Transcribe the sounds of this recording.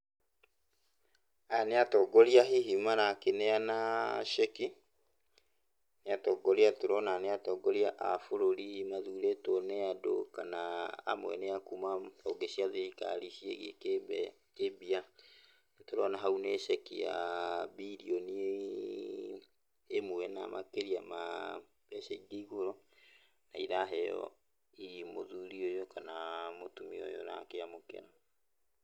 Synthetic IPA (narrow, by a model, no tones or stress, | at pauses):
aneatɔɡɔɾiaɦiɦimanakeneanaʃɛki | neatɔɡɔɾeatoɾɔnaneatɔɡɔɾiaʔa̰foɾoɾimaðuɾetɔnɛado̰kana̰ːmwɛ̰neakumaoɡeʃiaðeika̰ɾiʃiḛɣḭke | kebia | netoɾɔnaɦauneʃɛkiabiɾiɔni | emoɛna̰makeɾiama̰ | bɛʃɛiɡiiɣoɾɔ | naiɾaɦɛjɔ̰ | imoðuɾiojokanamotumio̰jo̰na̰keamokɛ̰ɾa